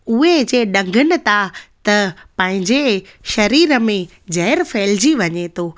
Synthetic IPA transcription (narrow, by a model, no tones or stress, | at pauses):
ʊɦed͡ʑeːɗɐ̃ŋɡʱənɪ̆t̪ʰat̪ɐpɐ̃ɦɪ̃ɲd͡ʑeʃɐɾiːɾəmẽ | d͡ʑɐɦɪɾfeːld͡ʑiʋɐɲet̪ʰoː